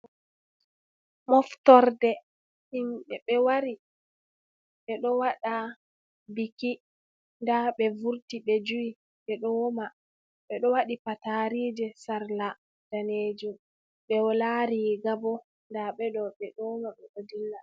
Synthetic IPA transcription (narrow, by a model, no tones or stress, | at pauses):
mɔftɔɾdɛ | himɓɛɓɛwaɾi | ɓɛɗɔwaɗa | biki | ndaɓɛvuɾtiɓɛd͡ʒuwi | ɓɛɗɔma | ɓɛɗɔwaɗipataɾiːd͡ʒɛsaɾla | d̥aneːd͡ʒum | ɓɛwɔlaɾiɡabɔ | ndaɓɛɗɔɓɛɗɔmaɓɛɗodilːa